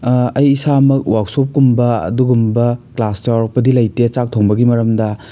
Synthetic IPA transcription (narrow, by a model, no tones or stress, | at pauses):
ɐjːsamɐkwʔak̚sop̚kumbɐɐ̰duɡumbɐklastawɾɐk̚pɐdilɐjtet͡ʃak̚tʰoŋbɐɡimɐɾɐmdɐ